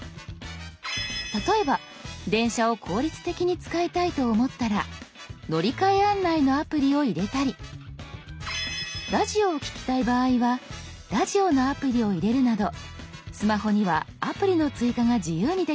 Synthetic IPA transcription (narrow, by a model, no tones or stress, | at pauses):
t̪at̪o̞e̞ba | d̪ẽ̞ɰ̃ɕao̞kʰo̞ːɾʲit͡sɨ̥t̪e̞kʲiɲ̟it͡sɨ̥kaet̪ait̪o̞ːmo̞t̪ːaɾa | no̞ɾʲikaeanːaino̞apɯ̟ɾʲio̞iɾe̞t̪aɾʲi | ɾaʑio̞ːkʲi̥kʲi̥t̪aibaːiβa | ɾaʑio̞no̞apɯ̟ɾʲio̞iɾe̞ɾɯ̟nad̪o̞sɨmaɦo̞ɲ̟iβaapɯ̟ɾʲino̞t͡sɨikaŋaʑɨjɯːɲ̟id̪e